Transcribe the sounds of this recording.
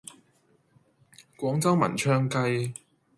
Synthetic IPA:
kʷɔː˨˥ŋt͡sɐ˥wmɐ̰˨˩nt͡ʃʰœː˧ŋkɐ˧j

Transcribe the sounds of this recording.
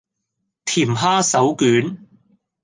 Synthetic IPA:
t̪ʰiː˨˩mɦaː˥sɐ˨˥wkyː˨˥n

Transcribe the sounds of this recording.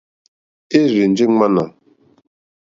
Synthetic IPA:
e˦ɾi˨n̩˨˦d͡ʒi˦ŋ͡ma˦na˨

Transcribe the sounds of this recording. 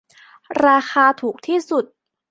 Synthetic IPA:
ɾaː˧xʰaː˧t̪ʰuː˨˩k̚t̪ʰiː˥˩su˨˩t̪̚

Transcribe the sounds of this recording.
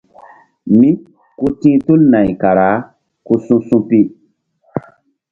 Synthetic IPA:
mĩ˦ | ko˦tĩː˦to˦lnã˨ɲi˨ka˨ɾa˨˦ | ko˧sũ˦sũ˦pi˦

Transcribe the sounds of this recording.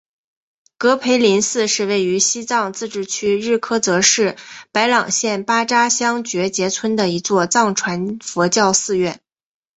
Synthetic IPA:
kɤ˧˥pʰe˧˥ɪli˧˥nsɹ̩˥˧ʂɻ̩˥˧we˥˩ɪy˧˥ɕi˥t͡sɑ˥˧ŋt͡sɹ̩˥˧ʈ͡ʂɻ̩˥˩t͡ɕʰy˥ɻɻ̩˥˩kʰɤ˥t͡sɤ˧˥ʂɻ̩˥˩pa˧˥ɪlɑ˨˩ŋɕjɛ˥˩npa˥ʈ͡ʂa˥ɕjɑ˥ŋt͡ɕɥɛ˧˥t͡ɕjɛ˧˥t͡sʰwə˥nd̪ə˨i˧˥t͡swɔ˥˧t͡sɑ˥˩ŋʈ͡ʂʰwa˧˥nfɔ˧˥t͡ɕjɑ˥˧ʊsɹ̩˥˧ɥɛ˥˩n

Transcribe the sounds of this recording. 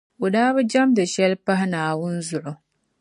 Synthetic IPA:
o˨daː˦bɨ˦d͡ʒɛ˦mdɨ˨ʃɛ˦lpa˦ɦɪ˦naː˨wʊ˦nzʊ˨ʔʊ˨

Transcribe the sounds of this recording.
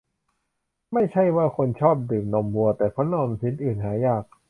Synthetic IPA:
ma˥˩jt͡ɕʰa˥˩jwaː˥˩kʰo˧nt͡ɕʰɔː˥˩p̚dɯː˨˩k̚nɔː˧˩mbu˧ɐt̪ɛː˨˩kʰɔ˦˥nɔː˧msi˨˦nʔɯː˨˩nɦaː˩˦jaː˥˩k̚

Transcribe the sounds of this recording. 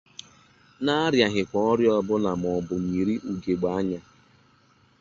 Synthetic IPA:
na˦ɾja˨ɦɪ˨kʷɔ˨ɔ˦ɾjɔ˦bʊ˦na˨m˨ɔ˨bʊ˨m̩˨mi˨ɾi˦ʔu˨ɡe˨ɡ͡ba˨˦a˦ɲa˦

